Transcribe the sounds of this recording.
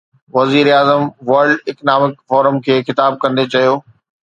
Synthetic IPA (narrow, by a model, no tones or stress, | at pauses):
ʋɐziːɾaːzəmʋɐɾɖɪknaːmɪkfɔːɾəmkʰeːxɪt̪aːb̚kɐ̃nd̪et͡ɕɐjoː